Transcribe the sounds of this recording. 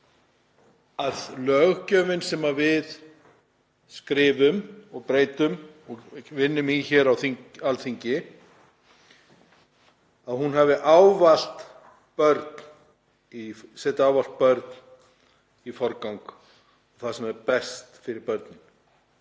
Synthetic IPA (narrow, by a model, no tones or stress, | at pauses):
aðlœɣcœːvɪnsɛmavɪð | skɾɪːvʏmɔɣpɾeːjt̪ʏmɔɣvɪnːʏminçɛɾawθiɲalθiɲcɪ | aðhunɦɛvɪʔawval̥t̪ | pœɾt̪n | isɛt̪awval̥t̪̚pœɾt̪n | ifɔɾkawŋk | ɔɣθasɛmɛɾpɛst̪fɪɾɪɾpœɾt̪nɪn